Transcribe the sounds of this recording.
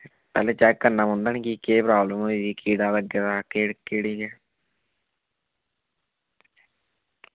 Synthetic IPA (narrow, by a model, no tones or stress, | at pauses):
pɛ̰ːleːt͡ʃɛːkːəɾnãːmõnd̪aːniːkikeːpɾaːbləmoːiiːkiːɽaːləɡːeːd̪aːkeːɽkeːɽiːɡɛː